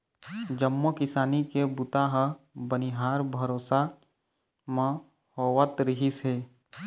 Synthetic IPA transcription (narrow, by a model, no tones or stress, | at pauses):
d͡ʒəmːokɪsaːnikebʊt̪aɦ | bəniɦaːɾbʱɐɾoːsa | mã | hoːwət̪ɾɪɦiseː